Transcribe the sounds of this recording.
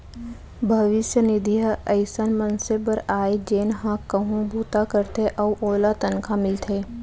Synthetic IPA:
bʱɐʋɪʃjənɪd̪ʱiɦəəɪsənmənsebəɾaːed͡ʒeːnɦãkəɦũbʱuːt̪akəɾt̪ʰeʔɐuʔoːlat̪ənkʰamɪlt̪ʰeː

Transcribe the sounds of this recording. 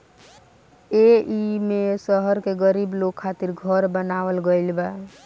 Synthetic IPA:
eimesəɦəɾkeɡəɾiblokʰːat̪iɾɡʱəɾbənaʋəlɡəjlba

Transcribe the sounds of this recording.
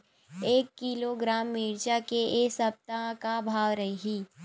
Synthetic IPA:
eːkːiloɡɾaːmːiːɾt͡ʃakeeːsɐp̚t̪akabʱaːʋɾɐɦeɦiː

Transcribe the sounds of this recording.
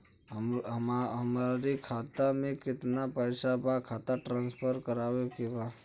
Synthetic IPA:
ɦəmaɾikʰat̪amẽkɪt̪napəɪsabakʰat̪aʈɾãnspʰəɾkəɾawekeba

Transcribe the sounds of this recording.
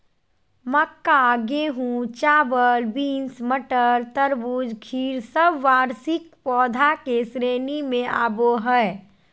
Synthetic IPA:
məkːaɡeɦũt͡ʃaːbəlbiːnsməʈəɾt̪əɾbuːd͡ʒkʰiːɾsəbʋaːɾsɪk̚pɔːd̪ʱakesɾeːnimẽʔa̰ːboɦəe

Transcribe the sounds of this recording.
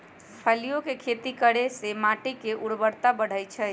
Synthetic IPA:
pʰəlijokekʰet̪ikəɽesemaʈikeʔuɽbəɽt̪abəɽ̤əjt͡ʃʰəj

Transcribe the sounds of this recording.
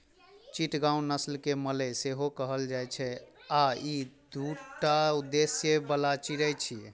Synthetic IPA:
t͡ʃiʈɡãũnəslkemələseɦokəɦəld͡ʒajt͡ʃʰɛaid̪uʈaud̪esjebəlat͡ʃiɾəjt͡ʃʰi

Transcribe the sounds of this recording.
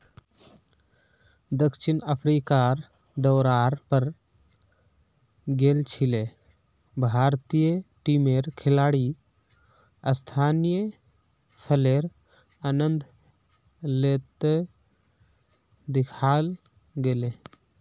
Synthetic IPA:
d̪əkʃɪnəpʰɾiːkaːɾ | d̪ɔːɾaːɾpəɾ | ɡeːlt͡ʃʰɪle | bʱaːɾt̪ijəʈimeːɾkʰɪlaːɽi | əst̪ʰaːnijə | pʰəleːɾ | anə̃nd̪ʱ | leːt̪e | d̪ɪkʰaːl | ɡeːleː

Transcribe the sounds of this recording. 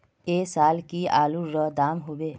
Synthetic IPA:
eːsaːlkiaːluɾəd̪aːmɦoːbeː

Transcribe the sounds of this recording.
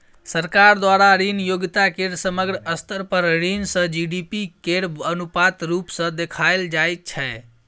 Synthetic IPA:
səɾkaɾd̪ʋaɾaɾinjoɡit̪akeɽsəməɡɾəəst̪ʰəɾpəɾɾinsə̃d͡ʒiɖipikeɽənupat̪ɾupsə̃d̪ekʰajld͡ʒajt̪̚t͡ʃʰɛ

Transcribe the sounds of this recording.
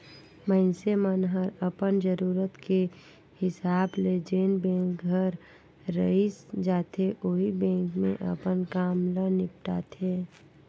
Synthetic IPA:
mənsemənɦəɾəpənd͡ʒəɾuːɾət̪ke | hɪsaːbled͡ʒeːnbẽːŋkɡʱəɾː | ə̰isd͡ʒaːt̪ʰeʔoɦibẽːŋkmḛ̃ʔə̰pənkaːmlənɪp̚ʈa̰ːt̪ʰeː

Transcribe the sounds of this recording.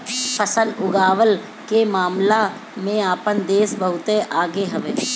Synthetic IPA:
pʰəsəlʊɡaːʋəl | kemaːmla | mẽaːpənd̪eːsbəɦʊt̪eʔaːɡeɦɐʋeː

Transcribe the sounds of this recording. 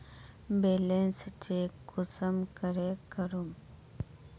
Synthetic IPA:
beːlenst͡ʃekʊsəmkəɾekəɾum

